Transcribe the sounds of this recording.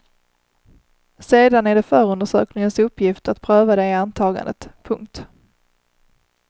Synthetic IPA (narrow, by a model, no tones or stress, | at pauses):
seːd̪anæɖɛfœːɾɵnd̪əʂø̰ːknɪŋənsɵpːjɪft̪at̪̚pʰɾøːvad̪ɛɪant̪ʰɑːɡa̰nd̪ə̰t̪pʰɵŋk̚t̪